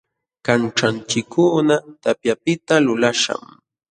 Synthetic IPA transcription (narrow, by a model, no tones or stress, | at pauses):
kanʈ͡ʂant͡ʃɪkːʊnat̪apjapɪt̪alʊlaʃa̰m